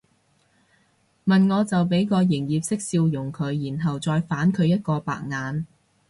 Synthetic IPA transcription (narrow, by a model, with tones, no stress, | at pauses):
mɐ˨nŋɔː˨˧t͡sɐ˨wpe˨˥jkɔː˧jɪ˨˩ŋjiː˨p̚sɪ˥k̚siː˧wjʊ˨˩ŋkʰɵ˨˧˥ɥjiː˨˩nɦɐ˨wt͡sɔː˧jfaː˨˥nkʰɵ˨˧ɥjɐ˥t̚kɔː˧pa̰ː˨k̚ŋaː˨˧n